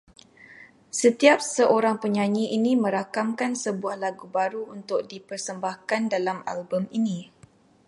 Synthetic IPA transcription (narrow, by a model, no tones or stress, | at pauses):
sət̪iap̚səʔoɾaŋpəɲãɲiʔinimə̃ɾakamkansəbuahlaɡubaɾuunt̪ʊk̚dipərsəmbahkandalama̰lbəminĩ